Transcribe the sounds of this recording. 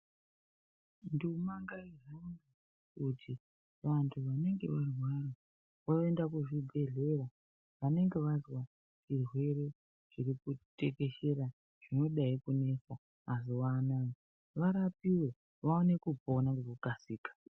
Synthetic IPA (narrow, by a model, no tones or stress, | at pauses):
ndumaŋɡairauni | kutʰi | ʋantʰuʋane̞ŋɡe̞ʋarwara | waendakuʐibʱe̞ɮe̞ra | ʋane̞ŋɡe̞ʋazwa | t͡ʃirwe̞ɾe̞ | ʐirikute̞ke̞ʃe̞ɾa | ʐ̥ino̞ɗaikune̞saː | ziwanaːji | ʋaɾapiwe̞ | ʋaone̞kupoonakurukasiːkḁ